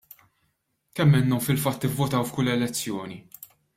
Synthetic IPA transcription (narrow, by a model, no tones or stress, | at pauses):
kɛmːɪnːɔmfɪlfɐt̪ːɪvːʊt̪ɐwfkʊlːɛlɛt͡sːjɔːni